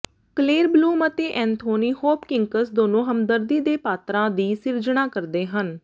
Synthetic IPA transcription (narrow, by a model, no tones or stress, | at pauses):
kleːɾbluːmət̪eːʔɛ̃ːnt̪ʰoːniːhoːpkɪŋkəsd̪oːnõːɦəmd̪əɾd̪iːd̪eːpaːt̪ɾãːd̪iːsɪɾd͡ʒɳ̃ãːkəɾd̪eːɦən